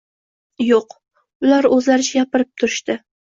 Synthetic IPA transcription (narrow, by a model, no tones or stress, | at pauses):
joq | ʊlˠaɾɵzlaɾɪt͡ʃʰajapɪɾɪp̚t̪ʰʊɾɪʃt̪ɪ